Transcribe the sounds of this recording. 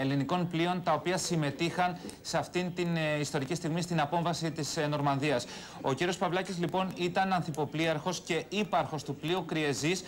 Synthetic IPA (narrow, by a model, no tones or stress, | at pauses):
e̞liniko̞nplio̞nt̪ɐo̞piɐsime̞t̪ixɐnseɐft̪int̪inist̪o̞ɾicist̪iɣmist̪inɐpo̞ɱvɐsit̪isno̞ɾmɐnðiɐs | o̞̰ciɾio̞spɐvlɐcizlipo̞nit̪ɐnɐnθipo̞pliɐɾxo̞sce̞ipɐɾxo̞st̪upliukɾie̞zis